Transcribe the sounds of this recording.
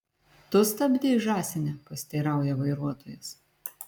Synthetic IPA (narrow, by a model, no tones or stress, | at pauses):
t̪ʊst̪ɐbʲd̪ʲeʒɑːsʲɪnʲɛpɐsʲt̪ʲɛːɾɑˑʊjɛʋɐɪɾuɔt̪oːjʊs